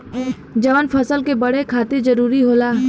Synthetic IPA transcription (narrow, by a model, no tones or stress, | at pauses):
d͡ʒɐʋənpʰɐsəlkebɐɽekʰaːt̪ed͡ʒɐɾuːɾiɦoːlaː